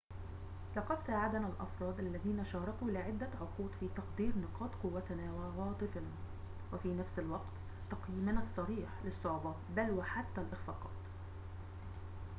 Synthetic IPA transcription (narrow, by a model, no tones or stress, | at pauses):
lɑqɑd̪saːʕad̪nalʔɑ̰fɾˤɑːd̪ʔalːæðiːnaʃɑːɾˤɑkuːlɪʕɪd̪ːaʕʊquːd̪fiːt̪ɑqd̪iːɾnɪqɑːt̪qʊwːat̪naːwawɑːt̪ˤɨfna | wɪfiːnafsɪlwɑqt̪ | t̪ɑqjiːmanasˤːɑɾiːħlɪsˤːʊʕbɑ | balwaħat̪ːælʔɪxfɑːqɑ̰ːt̪